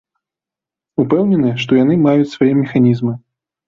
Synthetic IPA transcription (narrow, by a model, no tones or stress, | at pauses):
upɛwnʲɛnɨʂt̪ɔjanɨmajut͡sʲsvajɛmʲɛxanʲizmɨ